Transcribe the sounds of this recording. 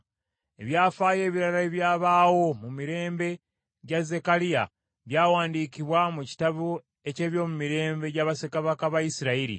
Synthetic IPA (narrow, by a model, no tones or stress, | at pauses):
e̞βjaːfaːje̞ːβiɾalaeβjaːβaːwo̞mumiɾe̞ːmbe̞ | ɟaze̞kalija̰ | βjaːwaːndiːkiβwamuci̥taβu | e̞ce̞ːβjo̞ːmumiɾe̞ːmbe̞ɟaːβasekaβakaβajisiɾaiɾḭ